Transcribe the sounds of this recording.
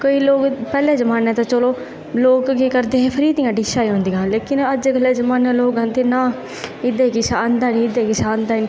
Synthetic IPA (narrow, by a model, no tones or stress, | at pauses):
koːiːloːkpɛːlɛːd͡ʒəmaːnɛːt̪ãːt͡ʃoloː | loːkɡekəɾd̪eːeːpʰəɾiːd̪ĩjãːɖiʃaːiːɦõːnd̪ijãːleːkɪnəd͡ʒɡəlːɛːzəmaːnɛ̃ːloːkə̃nt̪eːnaː | ɪd̪eːkɪʃaːənd̪aːnĩːɪd̪eːkɪʃaːnd̪aːn